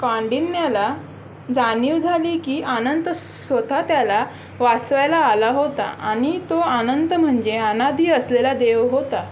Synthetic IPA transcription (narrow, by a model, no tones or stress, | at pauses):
kãɳɖinːjala | d͡zaniːwd͡zʱaliːkiːʔanənt̪ə | sʋət̪ʰat̪jala | ʋasʋajlaːlaɦot̪a̰aɽ̃it̪oanənt̪əm̤əɳd͡ʑeanad̪iːəslelad̪eʋɦot̪a